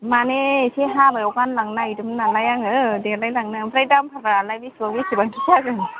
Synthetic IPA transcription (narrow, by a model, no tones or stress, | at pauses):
manesʰeɦabajɔwkanlaŋnajdɯmnanlajaŋɯdelajlaŋnabɾajdampʰaɾaanlajbisuəŋbisʰibantʰɯtʰakɯn